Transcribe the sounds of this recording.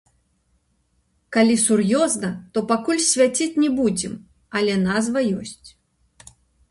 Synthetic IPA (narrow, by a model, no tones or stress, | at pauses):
kalʲisurjɔznɐt̪ɔpakulʲsʲvʲat͡sʲit͡sʲnʲɛbud͡zʲɛm | ɐlʲɛnazvɐjɔsʲt͡sʲ